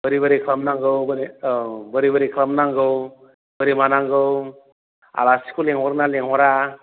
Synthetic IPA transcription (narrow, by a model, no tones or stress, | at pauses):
bəɾibəɾikʰɾamnaŋɡɯwbɾibəɾibəɾikʰlamnaŋɡɯw | b̥əɾimanaŋɡɯw | a̰lasi̥kʰuleŋɔɾnaleŋɔɾa